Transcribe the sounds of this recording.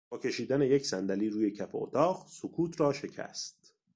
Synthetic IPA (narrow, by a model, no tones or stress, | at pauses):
bɒːcʰʲe̞ʃiːd̪æne̞je̞csænd̪æliːɾuːje̞cʰæfeot̪ʰɒːɢsokʰuːt̪ʰrɒːʃe̞cʰæ̰st̪̚